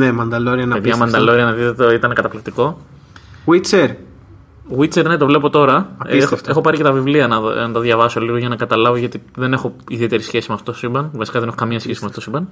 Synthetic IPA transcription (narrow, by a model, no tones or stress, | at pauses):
nemɐnd̪ɐloɾiɐnɐeðʝɐmɐnd̪ɐloɾiɐnɐðit̪oit̪ɐnekɐt̪ɐplik̚t̪iko̞ | ɣwit͡seɾ | ɣwit͡seɾnet̪o̞vle̞p̬o̞t̪o̞ɾɐɐisxft̪e̞xo̞pɐɾice̞t̪ɐvivliɐnɐnɐt̪ɐðʝɐvɐso̞liɣo̞ʝɐnɐkɐt̪ɐlɐvoʝɐt̪iðe̞ne̞xo̞iðie̞t̪e̞ɾisçe̞simeɐft̪otosibɐnvɐsi̥kɐðene̞xo̞kɐmiɲɐsçesimɐft̪otosibɐn